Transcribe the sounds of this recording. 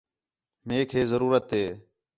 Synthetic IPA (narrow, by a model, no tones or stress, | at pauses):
meːkʰɦeːzəɾuːɾət̪ɦeː